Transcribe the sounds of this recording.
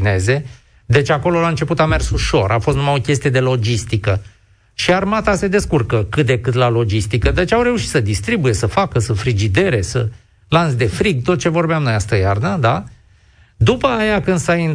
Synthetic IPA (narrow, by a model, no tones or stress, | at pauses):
ne̞ze̞ | d̪e̞t͡ʃʲako̞lo̞laɨnt͡ʃe̞put̪ame̞rsuʃo̞ɾʔa̰fo̞st̪numao̞kʲe̞st̪ije̞d̪e̞lo̞d͡ʒist̪ikə | ʃiarmat̪ase̞d̪e̞skurkəkɨt̪̚d̪e̞kɨt̪lalo̞d͡ʒist̪ikəd̪et͡ʃʲawɾe̞uʃit̪səd̪ist̪ɾibuje̞səfakəsəfɾid͡ʒid̪e̞ɾe̞sə | lansd̪e̞fɾiɡ̚t̪o̞t̪̚t͡ʃe̞vo̞rbeamno̞jast̪əjarnəd̪a | d̪upəːjakɨnd̪sain